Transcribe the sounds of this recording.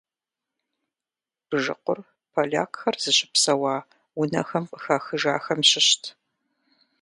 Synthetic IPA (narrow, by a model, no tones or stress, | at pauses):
b̥ɨʒɨ̰qʷʊr | pʰɐɮa̰ːkxɐrz̥ɨɕɪ̥psɐwɑː | ʊnɐ̰xɐmxaxɨʒaːxɐmɕɪɕtʰ